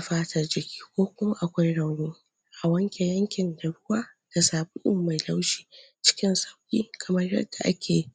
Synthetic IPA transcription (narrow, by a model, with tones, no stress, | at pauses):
a˨ɸaː˦tɐ˨rd͡ʒɪ˨kʲi̥ː˦kʷoː˦kʷʊ˦ma˦ʔa˨kʷa˦jɽa˨wniː˦ | ʔa˨wɐ˦ŋkʲe˨jɐ˦ŋkʲɪ˨nda˨ɽʊ˦waː˦ | d̥a˨saː˨bʊ˦ʔʊ˦˨mːa˨jla˦wʃiː˨t͡ʃɪ̥˦kʲɪ˦nsɐ˦wkʲiː˦kʰɐ˨mɐ˦rjɐ̰˦dːa˨ʔa̰˦kʲʰeː˨